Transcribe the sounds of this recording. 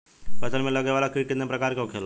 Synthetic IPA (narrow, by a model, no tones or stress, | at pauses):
pəsʰəlmẽləɡeʋalakikinepɾəkaːɾkeukʰel